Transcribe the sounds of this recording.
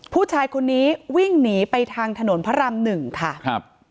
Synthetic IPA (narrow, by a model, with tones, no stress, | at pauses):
pʰuː˥˩t͡ɕʰaː˧jkʰo˧nːiː˦˥wi˥˩ŋniː˩˦pa˧jt̪ʰaː˧ŋt̪ʰa˧no˩˦npʰa˦˥ɾa˧mnɯ˨˩ŋkʰa˥˩kʰp̚